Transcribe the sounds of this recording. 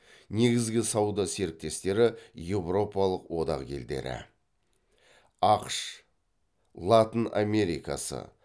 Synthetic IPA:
ne̞ɡʲɪzɡʲɪsɑwd̪ɑse̞ɾɪk̚t̪e̞st̪e̞ɾɪje̞vro̞pɑlˠəqwo̞d̪ɑ̰qɡʲʰe̞̰ld̪e̞̰ɾɪ̰ | ɑqʃ | lˠat̪əna̰mʲe̞ɾika̰sə̰

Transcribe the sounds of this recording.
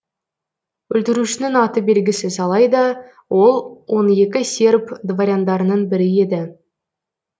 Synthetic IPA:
wɵlt̪ɪɾuʃɪnɪŋɑt̪əbe̞lɡʲɪsɪzɑlˠɑjd̪ɑ | wo̞lˠwo̞ne̞kʲɪsʲe̞rpd̪vaɾʲjand̪ɑɾənənbɪɾɪe̞d̪ɪ

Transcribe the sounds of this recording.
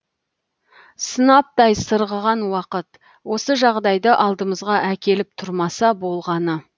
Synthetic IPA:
sənɑp̚t̪ɑjsəɾʁəʁɑnwɑqət̪ | wo̞səʒɑʁd̪ɑjd̪əʔɑlˠd̪əməzʁɑʔækʲe̞lɪp̚t̪ʰʊɾmɑsɑbo̞lˠʁɑnə

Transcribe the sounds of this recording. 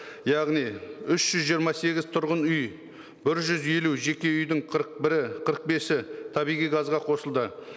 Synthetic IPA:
jɑʁnijʏʃʒ̥ʏzʒijəɾmɑse̞ɡʲɪzt̪ʰʊɾʁənʏj | bɪɾʒʏzje̞luʒe̞kʲe̞ʏjd̪ɪɴqʰəɾəq̚bɪɾɪqʰəɾəq̚be̞sɪt̪ʰɑbijʁijɡɑzʁɑqʰo̞səlˠd̪ə

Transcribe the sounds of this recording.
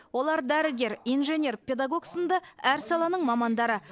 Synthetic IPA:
wo̞lˠɑɾd̪æɾɪɡʲe̞ɾijnʒe̞nʲe̞rpʲe̞d̪ɑɡo̞ɡsənd̪ɑæɾsɑlˠɑnəɴmɑmɑnd̪ɑɾə

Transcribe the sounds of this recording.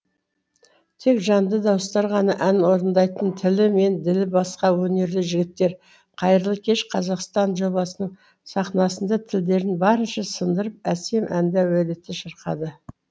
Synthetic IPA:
t̪ʰe̞kʒɑnd̪əd̪ɑwəst̪ɑɾʁɑnɑʔænwo̞ɾənd̪ɑjt̪ənt̪ʰɪlɪme̞nd̪ɪlɪbɑsqɑwɵne̞ɾlɪʒɪɡʲɪt̪ːe̞ɾ | qʰɑjəɾəlˠəkʲʰe̞ʃqʰɑzɑqst̪ɑnʒo̞bɑsənəɴ | sɑχnɑsənd̪ɑt̪ʰɪld̪e̞ɾɪnbɑɾənʃɑsənd̪əɾəp̚æse̞mʔænd̪æwæd̪et̪ɪʃəɾqɑ̰d̪ə

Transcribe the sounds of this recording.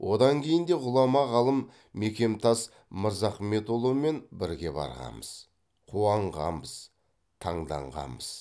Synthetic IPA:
wʔo̞d̪ɑŋkʲʰe̞jɪnd̪eʁʊlˠɑmɑʁɑlˠəm | me̞kʲe̞mt̪ʰɑs | məɾzɑχme̞t̪ulˠome̞nbɪɾɡʲe̞bɑ̰ɾʁɑ̰məz̥ | qʰuɑɴʁɑ̰mbəz̥ | t̪ʰɑɴd̪ɑ̰ɴʁɑ̰məz̥

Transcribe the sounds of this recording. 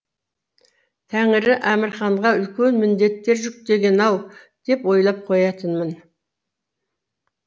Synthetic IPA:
t̪ʰæŋɪɾɪʔæmɪɾχɑɴʁɑʏlkʲe̞nmɪnd̪e̞t̪ːe̞ɾʒʏk̚t̪e̞ɡʲe̞nɑw | d̪̥e̞pwo̞jlˠɑp̚qʰo̞jɑt̪ənmən

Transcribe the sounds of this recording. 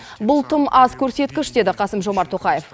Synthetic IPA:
bʊlˠt̪ʰəmɑzkʲʰɵɾse̞t̪kʲɪʃd̪e̞d̪ɪqʰɑsəmʒo̞mɑɾt̪ʰːoqɑje̞f

